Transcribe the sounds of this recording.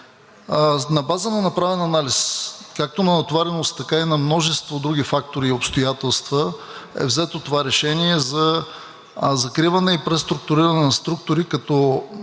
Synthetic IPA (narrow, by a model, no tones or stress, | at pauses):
nɐbazənɐnɐpɾavɛnɐnaliskak̚t̪onɐnɐt̪vaɾɛnost̪ːɐkainɐmnɔʒɛst̪vod̪ɾuɡifak̚t̪oɾiːopst̪ojat̪ɛlˠst̪və | ɛ̰vzɛt̪ot̪ovaɾɛʃɛniɛzɐ | zɐkɾivɐnɛipɾɛst̪ɾʊk̚t̪ʊɾiɾɐnɛnɐst̪ɾuk̚t̪ʊɾikɐt̪ɔ